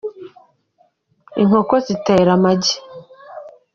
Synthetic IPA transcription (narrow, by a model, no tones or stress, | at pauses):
iŋ̥ho̞kozite̞ːɾamaɟi̥